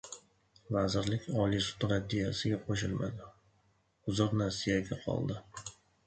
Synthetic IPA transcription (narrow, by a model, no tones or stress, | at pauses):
vazɪɾlɪkʲɒlisʊ̥t̪ɾad̪ːijasɪɡʲaqʰoʃɪlma̰d̪ɪ | ʊzɒɾnaɾsɪjaɡʲaqʰɒ̰lˠd̪ɪ